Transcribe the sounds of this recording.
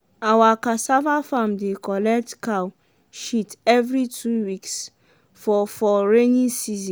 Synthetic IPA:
awakasavafamdekɔlɛk̚tkaw | ʃitɛvɾitʰiwiks | fɔfɔɹenĩsizĩ

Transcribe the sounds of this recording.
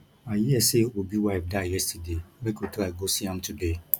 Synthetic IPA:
ajiɛsewobiwaɪfdajɛstʰademekotɛlaɡosiãmtʰude

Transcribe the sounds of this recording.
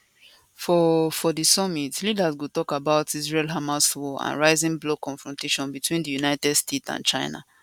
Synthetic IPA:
fɔfɔdisɔmitlidazwutɔkabaʊtizɹɛlɦamaswɔã̰nɹaɪzĩŋblokɔ̃nfɹɔ̃nteʃɔ̃nbitwĩndəjunaɪtɛdstʰetsã̰nt͡ʃãɪna̰

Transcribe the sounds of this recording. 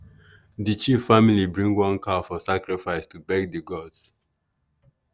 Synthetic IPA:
dət͡ʃifamilibɹĩŋwʌ̃nkʰafɔsakɹifaɪstubɛɡ̚dəɡɔds

